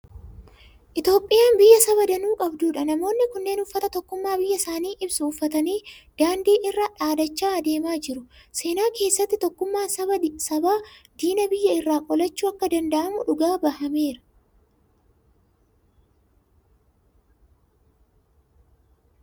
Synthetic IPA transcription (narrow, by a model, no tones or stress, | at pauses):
ʔɪt̪jo̞ːpʼɪjaːmbɪjːɐsɐβɐd̪ɐnuːkʼɐbd̪uːᶑɐnɐmo̞ːnːɪkʊnːe̞ːnʊfːɐt̪ɐt̪ɔkːʊmːaːbɪjːɐsaːniːʔɪbsʊːfːɐt̪ɐniːd̪̥aːnd̪iːʔɪrːaːᶑaːd̪ɐt͡ʃːaːɐd̪e̞ːmaːd͡ʒɪɾʊse̞ːnaːke̞ːsːɐt̪ːɪt̪ɔkːʊmːaːsɐbɐsɐbaːd̪iːnɐbɪjːɐɪrːaːkʼɔlɐt͡ʃːuːɐkːɐd̪ɐnd̪ɐʔɐmʊᶑʊɡaːbɐhɐme̞ːɾɐ̥